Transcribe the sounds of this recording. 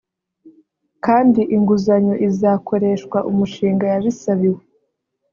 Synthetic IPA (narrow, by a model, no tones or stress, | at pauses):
kaːndiʔiŋɡuzaɲo̞ʔizaːkʰo̞ɾe̞ːʃkwaʔumuʃiːŋɡajaβisaβiwe